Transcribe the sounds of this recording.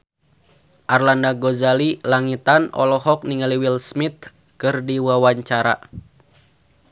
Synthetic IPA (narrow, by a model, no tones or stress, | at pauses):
ʔarlandaɡɔzalilaŋit̪anʔɔ̰lɔhɔk̚niŋaliwilsmit̪̚ | kɨrdiwawaɲt͡ʃaɾa̰